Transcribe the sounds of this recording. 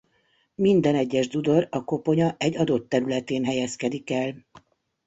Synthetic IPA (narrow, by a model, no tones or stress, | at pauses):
mind̪ɛnɛɟːɛʒd̪ud̪o̞rɒko̞po̞ɲɒʔɛɟːɒd̪o̞t̪ːɛɾylɛt̪eːnɦɛjɛskɛd̪ikɛl